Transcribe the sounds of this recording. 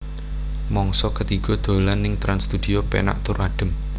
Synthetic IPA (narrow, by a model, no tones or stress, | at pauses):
mɔŋsɔkət̪iɡ̥ɔ̤d̪̥o̤lanːɪŋt̪ɾanst̪ud̪̥iopḛna̰ʔt̪ʊɾaɖ̥ə̤m